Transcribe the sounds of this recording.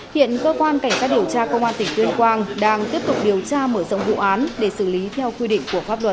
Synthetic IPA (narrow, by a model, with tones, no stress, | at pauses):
hḭ˧˨ənkəː˧kwaː˧nka˧˩jŋ̟sa˦˥t̚ɗi˨˩əwt͡ɕaː˧kə˧wŋ͡mʔaː˧nt̪ʰi˨˩ŋt̪wi˧ənkwaː˧ŋɗaː˧ŋt̪i˦˥əp̚t̪ʊ˨˩k͡p̚ɗi˨˩əwt͡ɕaː˧məː˧˩zɔ̰˧˨wŋ͡mvṵ˧˨ʔaː˨˦nɗe˧˩sɨ˧˩li˨˦t̪ʰɛ˧wkwi˧ɗḭ˧˨ŋ̟ku˧˩əfaː˦˥p̚lwə˨˩t̚